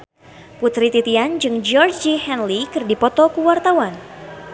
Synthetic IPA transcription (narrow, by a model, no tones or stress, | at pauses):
put̪ɾit̪it̪iand͡ʒɨŋd͡ʒɔrd͡ʒihɛnlikɨrdipɔt̪ɔkuwart̪awan